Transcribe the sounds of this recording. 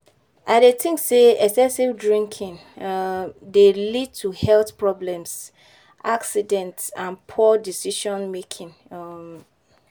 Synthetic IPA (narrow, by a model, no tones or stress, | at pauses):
adetɪ̃ŋkseɛsɛ̃sivdɹĩŋkʰĩn | delid̚tʰuhɛlθpʰɹɔblɛ̃ms | ʔaksidɛ̃ntãnpʰɔdisiʃɔ̃nmekʰĩn